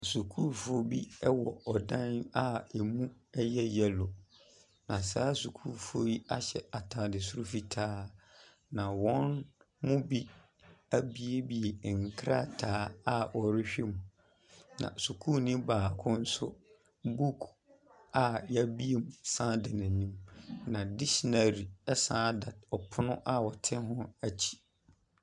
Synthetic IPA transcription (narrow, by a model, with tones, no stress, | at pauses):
a˨su˨kʰu˦fʊ˦o˦bi˦ɛ˦wɔ˨ɔ˨dã˦na˦e˨mũ˦ɛ˦jɛ˦jɛ˨lo˨ | nã˨saː˦su˨kʰuː˦˨fʊ˦o˦ji˦a˦ɕɛ˨a˨tʰãː˨dɪ˨sʊ˦ɾʊ˦fi˦tʰaː˦ | nã˨wɔ̃˦n | mʊ̃˦bi˦ | a˦bi˦e˦bi˨e˨ŋ̩˨kʰɾa˦tʰaː˨˦a˦ʔɔ˨ɾɪ˦ɕᶣe˦mũ˨ | nã̰˨su˨kʰu˦nĩ˦baː˨kʰʊ̃˦n̩˦sʊ˦ | bu˦kʰ | a˨ja˦bi˦e˨mũ˨sãː˦da˨nã˨nĩ˦mnã˨dɪ˦ɕi˨na˨ɾi˨ɛ˦sãː˦da˨dɔ˨pʰʊ˦nʊ̃˦ʔa˦wɔ˨tʰɪ̃˦ɦʊ̃˦æ˨t͡ɕʰi̥˦